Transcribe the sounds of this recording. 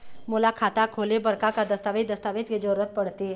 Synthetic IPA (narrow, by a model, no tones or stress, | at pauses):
mulakʰat̪akʰolebəɾkakad̪əst̪aʋed̪əst̪aʋet͡sked͡zoɾət̪̚pəɽt̪e